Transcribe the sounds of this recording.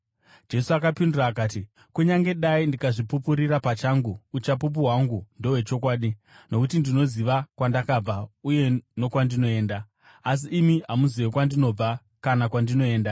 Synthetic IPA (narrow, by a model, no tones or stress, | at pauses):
d͡ʒe̞suakapinduraːkaːti | kuɲaŋɡe̞ɗaindikaʐipupuɾiɾapat͡ʃaŋɡuːt͡ʃapup̬uɦwaŋɡundo̞we̞t͡ʃo̞k̬waːɗi | no̞kutindino̞ziʋakwandakab͡vauje̞no̞kwandino̞e̞ːndaː | s̬iʔːmiɦamuziwekwandino̞b͡va | kanakwandino̞e̞ːnda